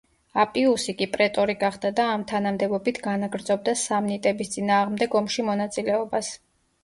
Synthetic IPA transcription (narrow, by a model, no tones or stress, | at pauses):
apʼiusikʼipʼɾɛt̪ʼɔɾiɡaχd̪̥ad̪aːmt̪ʰanamd̪ɛbɔbit̪ʰɡanaɡɾd̪zɔb̚d̪asamnit̪ʼɛbist̪sʼinaːʁmd̪ɛɡɔmʃimɔnat̪sʼilɛɔbas